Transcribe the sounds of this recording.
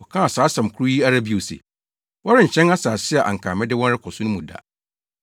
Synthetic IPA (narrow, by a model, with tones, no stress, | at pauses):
wɔ˨kʰã˦a˨saː˨˦sã˨m˨kʰʊ˦ɾu˦ji˦a˦ɾa˦bi˨o˨sḛ˨ | wɔ˦ɾɪ˦ɲ̩˨t͡ɕʰɛ̃˦na˦saː˨sɪ˦ɛ˨ʔa̰˨ŋ̩˨kʰaː˨mɪ̃˦dɪ˦wɔ̃˦n˦ɾɪ˦kʰɔ˨sʊ̃˦nʊ̃˦mũ˨da̰˨